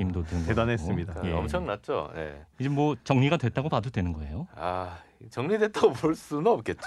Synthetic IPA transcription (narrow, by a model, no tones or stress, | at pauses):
imdodɯnɡedanɦes͈ɯmmɲidaajeʌmt͡ɕʰʌŋnat̚t͡ɕ͈o̰ne̞̰id͡ʑemwʌt͡ɕʌŋɲiɡadwe̞t̚t͈aɡopadodwe̞nɯnɡʌe̞̰joait͡ɕʌŋɲidwe̞t̚t͈aopoɭs͈unʌp̚k͈e̞t̚t͡ɕ͈o